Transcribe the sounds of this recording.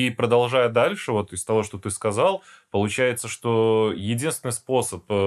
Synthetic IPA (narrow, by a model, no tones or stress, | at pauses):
ipɾəd̪ɐlˠʐajəd̪alʲʂɨvo̞t̪ɪst̪ɐvo̞ʂt̪o̞t̪ɨskɐzɑlˠpəlˠʊt͡ɕæjɪt̪səʂt̪o̞jɪdʲinst̪ʲɪnɨjspo̞səp